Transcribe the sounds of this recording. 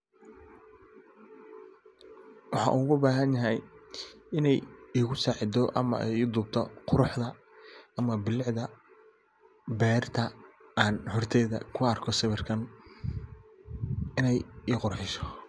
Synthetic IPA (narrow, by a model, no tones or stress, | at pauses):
wɑħɑ̰ːʔuɣʊbaːɦɐnjɐɦɛj | ɪnɛjiɣʊsaːʕɪd̪ɔʔɐ̰mɐ̰ɛ̰jiːd̪ʊb̚t̪ʰɔqʊɾʊħd̪ɐ | ɐmɐbɪlɪʕd̪ɐ | bɛːrt̪ʰɐaːnhɔrt̪ʰɛːðɐ̰kʰʊɐrkʰɔsɐβɪrkʰɐn | ɪnɛjiːqʊrħɪsɔ̥